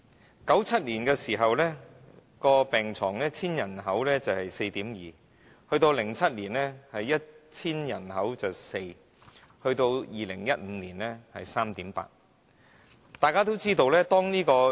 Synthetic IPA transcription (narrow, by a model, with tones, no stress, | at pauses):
kɐ˨˥wt͡sʰɐ˥t̚liː˨˩nkɛː˧siː˨˩ɦɐ˨wlɛː˥ | kɔː˧pɛː˨ŋt͡sʰɔː˨˩ŋlɛː˥t͡sʰiː˥njɐ˨˩nɦɐ˨˥wlɛː˥t͡sɐ˨˩whɐ˨jse˧jt̪iː˨˥mjiː˨ | hɵ˧ɥt̪o˧wlɪ˨˩ŋt͡sʰɐ˥t̚liː˨˩nlɛː˥hɐ˨jːɐ˥t̚t͡sʰiː˥njɐ˨˩nhɐ˨˥wt͡sɐ˨˩wse˧j | hɵ˧ɥt̪o˧wjiː˨˩lɪ̰˨˩ŋjɐ˥t̚m̩˨˧liː˨˩nlɛː˥hɐ̰˨jsaː˥mt̪iː˨˥mpa̰ː˧t̚ | t̪aː˨jkaː˥t̪̬o˥wt͡siː˥t̪o˧wlɛː˥t̪ɔː˥ŋniː˥kɔː˧